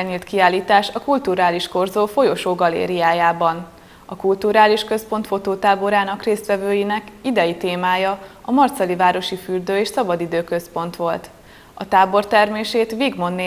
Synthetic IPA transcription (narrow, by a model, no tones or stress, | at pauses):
ɲiːlt̪kiaːlːiːt̪aːʃɒkult̪uɾaːliʃko̞rzoːfo̞joʃoːɡɒlḛːɾijaːjaːbɒn | ɒkult̪uɾaːliʃkø̞spo̞nt̪fo̞t̪oːt̪aːbo̞ɾaːnɒkreːst̪ʋɛvøːjinɛkid̪ɛjit̪eːmaːjɒɒmɒrt̪sɒlivaːɾo̞ʃifyrd̪øːeːʃsɒbɒd̪id̪øːkø̞spo̞n̪t̪ʋo̞lt̪ | ɒt̪aːbo̞rt̪ɛrmeːʃeːt̪ʋiɡmo̞nːe